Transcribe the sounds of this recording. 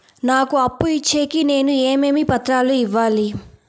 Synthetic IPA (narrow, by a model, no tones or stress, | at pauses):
naːkuɐpːuit͡ʃːeːkine̞ːnueːmeːmipɐt̪ɾaːluiʋːaːli